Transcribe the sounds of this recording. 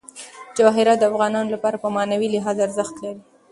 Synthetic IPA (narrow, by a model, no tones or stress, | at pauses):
d͡ʒɑɦɪɾad̪əafɣɑnɑnolapɑɾapəmɑnawilɪɦɑzaɾzəxt̪laɾi